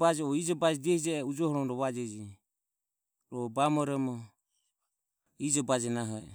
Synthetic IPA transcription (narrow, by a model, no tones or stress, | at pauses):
bad͡ʒɛɔid͡ʒɔbad͡ʒɛd͡ʒɛhid͡ʒɛud͡ʒɔhɔɾɔmɾɔβad͡ʒɛd͡ʒi | ɾɔbamɔɾɛmɔ | id͡ʒɔbad͡ʒɛnaɦɔɛ̰